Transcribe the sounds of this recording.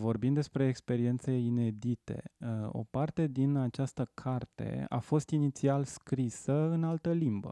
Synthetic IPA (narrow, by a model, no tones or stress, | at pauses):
vo̞rbimd̪espɾe̞ːkspe̞ɾie̞nt̪se̞ine̞d̪it̪e̞̰o̞̰part̪e̞d̪inat͡ʃast̪əkʰart̪e̞̰a̰fo̞st̪init̪sialskɾisəɨnalt̪əlimbə̰